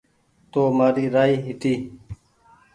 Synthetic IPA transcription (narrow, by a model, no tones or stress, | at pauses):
t̪oːmaːɾiːɾaːiːɦɪt̪iː